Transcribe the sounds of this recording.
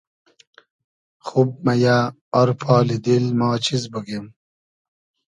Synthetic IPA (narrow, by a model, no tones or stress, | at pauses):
xub̚maja | ɔɾpʰɑːlid̪ilmaːt͡ɕizbəɡem